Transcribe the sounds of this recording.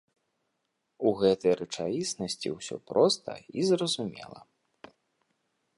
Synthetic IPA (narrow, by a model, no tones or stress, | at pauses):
uɣɛt̪ɐjrɛt͡ʂajʲisnɐsʲt͡sʲiwsʲɔpɾɔst̪ɐ̰izrɐzumʲɛ̰lˠɐ̰